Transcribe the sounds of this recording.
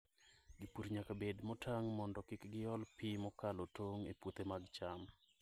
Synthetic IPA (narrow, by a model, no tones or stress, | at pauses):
ɡipuɾɲakabedmɔtʰaŋmɔndɔkɪkɡɪjɔlpimɔkalotoŋepwot̪emaɡt͡ʃam